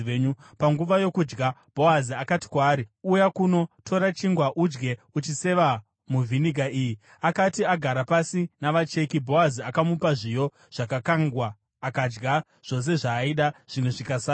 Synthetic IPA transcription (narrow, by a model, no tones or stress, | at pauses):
eɲupaŋɡuʋajo̞kud͡ʒɡab̥ʱo̞aziakati̥kwaːɾiujakuno̞tʰo̞ɾat͡ʃiŋɡwaʔud͡ʒɡe̞ut͡ʃise̞ʋa | muvʱiniɡʱaʔiːji | akatiaɡʱaɾapasinaʋat͡ʃe̞kibʱo̞aziakamupaʐijo̞ | ʐ̥akakaŋɡwaː | kad͡ʒɡa | ʐ̥o̞s̬e̞ʐaiɗaʐ̥imeʐikasa